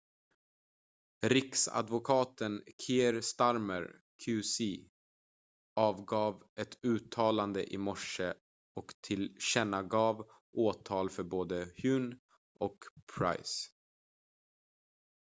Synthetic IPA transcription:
ɾɪksa̰d̪vʊkʰɑːt̪ənkʰeːɾst̪aɾməɾ | kʰʉːsiː | ɑːvɡɑːvɛt̪ʉ̟ːt̪ʰːɑːland̪ə̰ʔɪmɔʂə | ɔkt̪ʰɪlɕɛnaɡɑːv | ʔoːt̪ʰɑːlfœɾboːd̪əhjʉ̟ːn | ʔɔkpʰɾa̰js

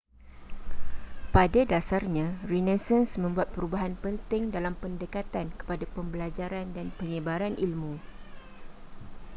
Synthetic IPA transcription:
padadasarɲãrinɛsɛnsmə̃mbuat̪̚pəɾubaɦanpənt̪ɪŋdalampəndəkat̪ankə̥padapəmbəlad͡ʒaɾandanpəɲə̃baɾanʔilmũ

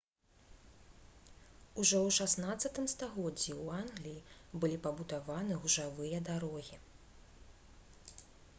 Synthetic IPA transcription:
uʐɔwʂasnat̪sːɐt̪ɨmst̪aɣɔd͡zʲːiwanɣlʲijibɨlʲipɐbud̪avanɨɣuʐavɨjɐd̪aɾɔɣʲi

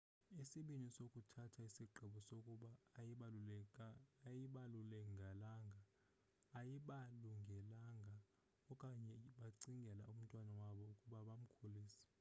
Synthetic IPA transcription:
isiɓinisokʼutʰatʰaisiǃʱɛɓɔsokʼuɓa | jiɓalulɛŋɡʱalaŋɡʱaː | jiɓaluŋɡʱɛlaŋɡʱa | ɔkʼaɲɛɓaǀiŋɡʱɛlaum̩tʼwanawaɓɔukʼuɓaɓam̩kʰoliːsɛ̥

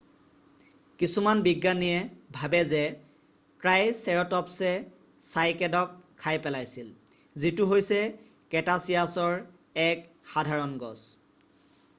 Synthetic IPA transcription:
kisumanbiɡːanijɛbʱabɛzɛ | pɹajsɛɹɔtɔpsɛ | sajkɛdɔkʰːajpɛlajsil | zitʊɦojsɛ | kɛtasijasɔɹ | ɛk | xadʱaɹɔnɡɔ̰s

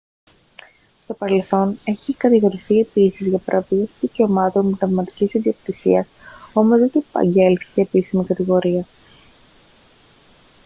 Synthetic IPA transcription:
st̪o̞pɐɾe̞lθo̞ne̞çikɐt̪iɣo̞ɾiθie̞pisizʝɐpɐɾʔɐpiɣɐsðice̞o̞mɐt̪o̞nmt̪ɐvmɐt̪i̥cisinðiok̚t̪isḭɐso̞mo̞zot̪ipɐ̰ɲɟe̞lθi̥ceːpisimikɐt̪iɣo̞ɾiɐ

